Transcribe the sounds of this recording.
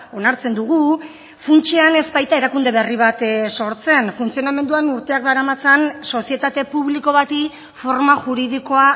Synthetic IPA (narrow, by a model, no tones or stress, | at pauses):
o̞naɾt͡se̞nd̪uɣ̞u | funt͡ʃeane̞zbajt̪ae̞ɾakund̪e̞βe̞riβ̞at̪so̞ɾt͡se̞nfunt͡sio̞name̞nd̪uanuɾt̪e̞ak̚d̪aɾamat͡sanso̞sie̞t̪at̪e̞puβliko̞βat̪i | fo̞ɾmaʝuɾið̞iko̞a